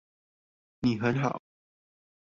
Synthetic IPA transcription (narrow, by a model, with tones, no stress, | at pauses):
ni˨˩xə˨˧˦nxɑ̰˨˩˦